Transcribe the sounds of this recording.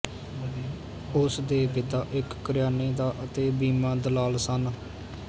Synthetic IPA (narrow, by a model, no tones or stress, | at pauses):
ʊsd̪eːpɪt̪aːʔɪkːəɾɪjaːneːd̪aːʔət̪eːbiːmãːd̪əlaːlsən